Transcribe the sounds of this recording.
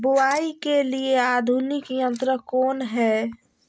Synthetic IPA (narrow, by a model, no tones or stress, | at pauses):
bʊwaikeliead̪ʱunɪkjənt̪ɾəkoːnɦɛ